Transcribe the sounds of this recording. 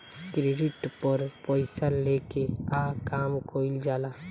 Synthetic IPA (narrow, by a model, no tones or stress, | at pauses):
kɾiɖɪʈpəɾpɔɪsalekeaːkaːmkʰoːɪld͡ʒaːlaː